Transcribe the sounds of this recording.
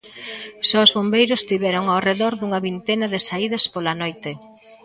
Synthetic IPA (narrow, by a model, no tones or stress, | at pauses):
sowzβombejɾʊst̪iβɛɾʊŋawreðɔɾðuŋɐβint̪ɛnɐðɪsaiðɐspolɐnojt̪e